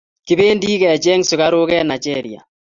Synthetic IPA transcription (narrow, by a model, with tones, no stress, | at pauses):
ki˨be˦ndi˦kɛ˨t͡ʃɛ˦ŋsʊ˨ka˦ɾo˦kɛ˦na˨d͡ʒɛ˦ɾi˨a̰˨